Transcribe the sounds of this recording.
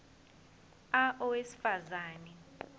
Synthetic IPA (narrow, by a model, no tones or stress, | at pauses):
aʔɔwesi̥fazaːnɛ